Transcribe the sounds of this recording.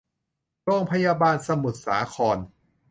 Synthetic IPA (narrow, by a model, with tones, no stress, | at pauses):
ɾoː˥˩ŋpʰa˧jaː˧baː˧nsa˧mu˨˩t̪̚sa̰ː˩˦kʰɔː˧n